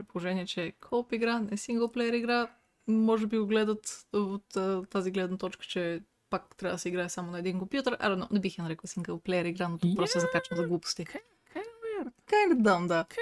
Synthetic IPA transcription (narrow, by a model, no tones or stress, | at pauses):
pɾitpolˠoʒɛniɛt͡ʃɛkʰɔlˠpiɡɾanɛsiŋɡəlˠplɛjəɾiɡɾa | mɔʒɛbiɡoɡlɛd̪ət̪ot̪ːt̪ːaziɡlɛd̪nət̪ɔt͡ʃkə̥t͡ʃɛ | pakt̪ɾavəd̪sɛiɡɾaɛsamonɐɛd̪inkompjut̪əɾʔɐ̰nonɛbixjɛnɐɾɛkəlˠsiŋɡəlˠplɛjəɾiɡɾanot̪uk̚pɾɔst̪oɛzɐkat͡ʃəmzɐɡlˠupo̥st̪i | kajnpɛɾkajnɛd̪amd̪a